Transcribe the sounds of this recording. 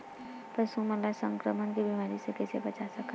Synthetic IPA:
pəsuməlasəŋkɾəmənkibimaɾisekesebət͡ʃasəkə

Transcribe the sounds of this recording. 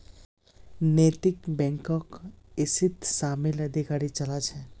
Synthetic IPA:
net̪ikbɛ̃ŋkɔkesit̪samiləd̪ʱikaɾit͡ʃəlat͡ʃʰɛ

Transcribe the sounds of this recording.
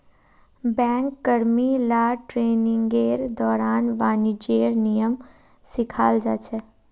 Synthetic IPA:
bɛ̃ːŋkːəɾmilaːʈɾeːnɪ̃ŋɡeːɾd̪ɔːɾaːnʋaːnid͡ʒeːɾnijəm | sɪkʰaːld͡ʒaːt͡ʃʰɛ

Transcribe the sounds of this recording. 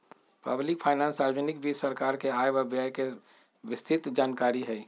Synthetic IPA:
pɐblɪkpʰaːɪnãːnsaːd͡ʒənɪkbʱisəɾkaːɾkeaːjʋəɐbjaːjke | ʋɪst̪ʰɪt̪d͡ʒaːnkaːɾiɦɛː

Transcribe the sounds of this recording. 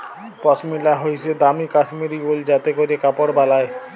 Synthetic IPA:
pɔsmilaɦojsʰed̪amikasmiɾibold͡ʑat̪ekoɾekapoɾbalae

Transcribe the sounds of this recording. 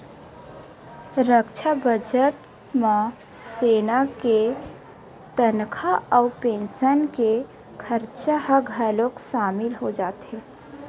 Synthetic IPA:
ɾəkʃʰabəd͡ʒəʈ | mã | seːnake | t̪ənkʰaɔːpẽːnʃənke | kʰəɾt͡ʃahaɡʱəlokʃaːmɪlɦod͡ʒaːt̪ɦɛː

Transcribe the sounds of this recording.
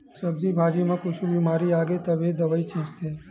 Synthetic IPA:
səbzibʱaːd͡ʒimãkʊt͡ʃʰũbimaːɾiaːɡet̪əbed̪əʋait͡ʃĩːt͡ʃt̪ʰeː

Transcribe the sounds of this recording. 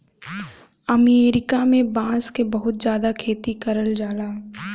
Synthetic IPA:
ɐmeːɾɪkamẽbãːskebɐɦʊt̪d͡ʒjaːd̪akʰeːt̪ikɐɾəld͡ʒaːlaː

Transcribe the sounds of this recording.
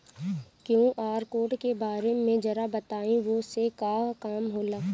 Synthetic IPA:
kjũʔaːɾkoːʈkebaːɾemẽd͡ʒɐɾabɐt̪aːĩʋosekaːkaːmɦoːlaː

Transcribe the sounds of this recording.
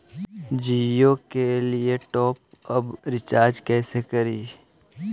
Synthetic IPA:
d͡ʒiːjokelieʈɔːp̚ɐbɾɪt͡ʃaːɾd͡ʒkɛːsekɐɾiː

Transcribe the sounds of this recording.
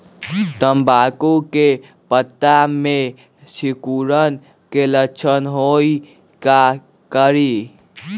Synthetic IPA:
t̪əmbakuke | pət̪ːame | sikuɾən | keləkt͡ʃʰənɦoi | ka | kəɾi

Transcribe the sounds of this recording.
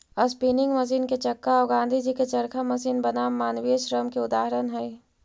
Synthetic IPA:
ɐspiːnɪ̃ŋɡmɐs̬iːnket͡ʃɐkːaɔːɡãːnd̪ʱid͡ʒiket͡ʃɐɾkʰamɐsiːnbɐnaːmːaːnʋiʃɾəmkeʊd̪aːɦɾənɦɛi

